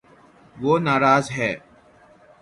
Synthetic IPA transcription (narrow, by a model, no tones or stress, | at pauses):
ʋoːnaːɾaːzɦɛː